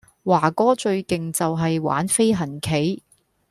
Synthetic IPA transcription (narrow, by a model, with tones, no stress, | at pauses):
waː˨˩kɔː˥t͡ʃɵ˧ɥkɪ˨ŋt͡sɐ˨wɦɐ˨jwa̰ː˨˥nfe˥jɦɐ˨˩nkʰe˨˥j